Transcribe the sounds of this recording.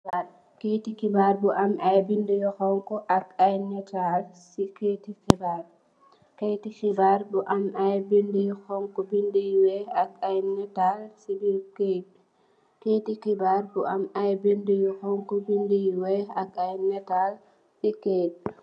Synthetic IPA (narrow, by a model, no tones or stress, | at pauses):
a | ketikibaɾbuʔamʔajbindujɔhɔŋkɔʔakajnɛtalsikeːtixibaɾ | kejtixibaɾbuʔamajbindijɔxɔŋkɔbindijwɛakajnɛtalsibiɾked | keːtikibaɾbuʔamajbindujɔhɔŋkɔbindijwɛakajnɛtal | sikeːt